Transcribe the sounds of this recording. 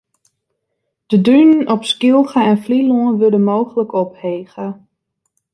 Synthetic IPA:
d̥ədynənɔpskilˠɣəɛnfliloənʋødənmoːxələkɔpheːɣə

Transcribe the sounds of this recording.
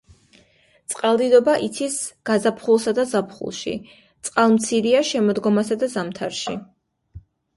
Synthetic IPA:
t̪sʼqʼalˠd̪id̪ɔbaʔit̪sʰisɡ̥azapʰχulˠsad̪azapʰχṵlˠʃḭ | t̪sʼqʼalˠmt̪sʰiɾiaʃɛmɔd̪ɡɔmasad̪azamt̪ʰaɾʃi

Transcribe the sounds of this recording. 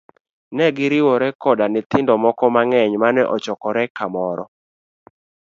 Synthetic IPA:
nɛɡɪɾɪwɔɾɛkɔdanɪt̪ɪndɔmɔkɔmaŋɛɲmanɛʔɔt͡ʃɔkɔɾɛkamɔɾɔ̰

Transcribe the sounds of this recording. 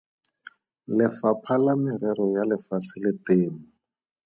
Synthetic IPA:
lɪfapʰalamɪɾɛɾɔjalɪfasɪlɪteːmʊ

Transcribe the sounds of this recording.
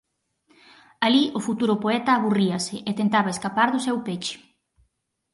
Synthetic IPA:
aliʔʊfut̪uɾʊpoɛt̪ɐːβuriɐsɪʔet̪ent̪aβaeskapaɾðʊsewpet͡ʃɪ̥

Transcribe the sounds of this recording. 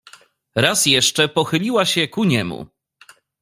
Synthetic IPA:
ɾasjɛʂt͡ʂɛpɔxɘlʲiwaɕɛkuɲɛmṵ

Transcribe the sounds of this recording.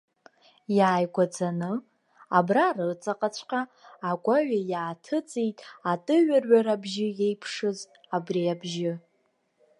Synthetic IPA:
jaːjɡʷad͡zanɨ | abrarɨrt͡sʼaqʼat͡ɕʷʰqʼaːɡʷaɥajaːtʰɨt͡sʼijtʼatʼɨɥarɥaɾabʒɪjejpʰʂɨz | abriabʒɪ

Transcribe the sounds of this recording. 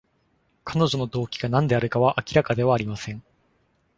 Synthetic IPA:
kʰano̞ʑo̞no̞d̪o̞ːkʲiɡanãnd̪e̞aɾɯ̟kaβaʔakʲiɾakad̪e̞βaːɾʲimasẽ̞ŋ

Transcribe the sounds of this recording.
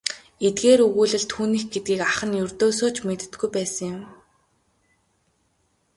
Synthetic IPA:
et̪ɡeːɾɵɣuːɮɘ̆ɮt̪ʰuːniːxɡet̪̚ɡiːkaχə̆njɵrt̪oːsoːt͡ɕmet̪ɘ̆t̪ɡujpæːsə̆ŋjʊ̆m

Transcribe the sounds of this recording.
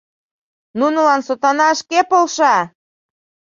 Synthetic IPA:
nunəlɑnsot̪ɑnɑəʃkepolʃɑ

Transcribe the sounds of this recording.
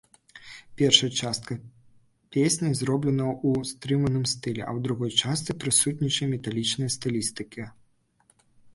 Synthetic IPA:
pʲɛrʂɐjɐt͡ʂast̪̚kɐ | pʲesʲnʲɐzɾɔblʲɛnɐust̪ɾɨmɐnɨmst̪ɨlʲɛ̰ʔɐ̰wd̪ɾuɣɔjt͡ʂast̪sɨpɾɨsut̪ʲnʲit͡ʂɐjmʲɛt̪alʲit͡ʂnɐjɐst̪ɨlʲist̪ɨkʲʰi

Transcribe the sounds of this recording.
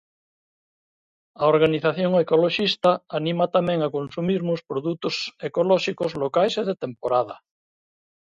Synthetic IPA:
aoɾɣaniθaθjoŋekoloʃist̪aanĩmat̪amẽŋakonsumiɾmospɾoðut̪osekolɔʃikozlokajseðet̪empoɾað̞a

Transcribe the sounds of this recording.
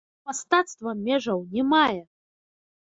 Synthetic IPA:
mast̪at̪st̪vɐmʲɛʐɐwnʲɛmajɛ

